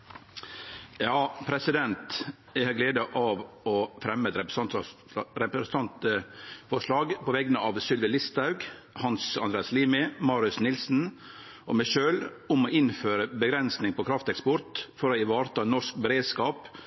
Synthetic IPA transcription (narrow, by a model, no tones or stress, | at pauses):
jɑːpʰɾɛsɪd̪ɛnt̪ | æɪhɑɡleːd̪əʔɑʋ | ɔfɾɛmːɛt̪ɾɛp | ɾɛpɾɛsnʰɑnt̪əfɔʂlɑːɡpɔʋɛɡnəɑʋsʏlʋɪlɪst̪ɑʉɡhɑnsɑnd̪ɾeːɑsliːmɪmɑːɾʉsnɪlsn̩ | ʔɔ̰mæɪʃøːl | ʊmɔɪnføːɾəbəɡɾɛnsnɪŋpɔkʰɾɑft̪ɛkspɔɾt̪fɔɾɔɪʋɑːɾt̪ʰɑːnɔʂk̚bəɾeːd̪skɑːp